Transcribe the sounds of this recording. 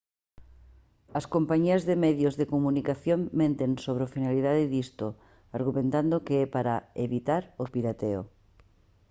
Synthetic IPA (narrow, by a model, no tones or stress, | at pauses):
ɐskompaɲiɐzðemɛðjozðekomũnikaθjoŋmẽnt̪eŋsoβ̞ɾofinaliðaðɪðist̪o | aɾɣ̞umẽnt̪and̪okeɛpaɾaeβit̪aɾopiɾat̪eo̰